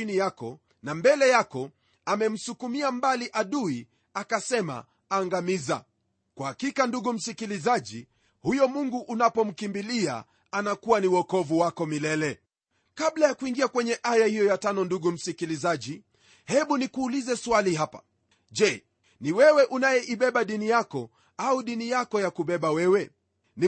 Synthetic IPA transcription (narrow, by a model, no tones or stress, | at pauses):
inijakɔ | nambɛlɛjakɔ | amɛm̩sukumiambaliʔaɗui | akasɛma̰ | aːŋɡamiza̰ | kwahakikanduɡum̩sikilizaʄi | hujɔmuŋɡuʔːnapɔm̩kimbilia̰ | anakuwaniwɔkɔvuwakɔmilɛlɛ | kablajakuiŋɡiakwɛɲɛʔajahijɔjatanɔnduɡum̩sikilizaʄi | hɛɓunikuːlizɛswaliɦapḁ̰ | ʄɛ | niwɛwɛʔunajɛʔiɓɛɓaɗinijakɔ | auɗinijakɔjakuɓɛɓawɛwɛ | ni